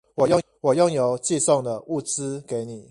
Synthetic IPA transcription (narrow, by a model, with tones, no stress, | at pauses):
wɔ˨˩jɔ˥˨ | wɔ˨˩jɔ˥˩ŋjo˨˦ʊt͡ɕi˥˧sɔ˥˨ŋd̪ə˨ʔu˥˨t͡sɹ̩˦ke˨˦ɪni˨˩˦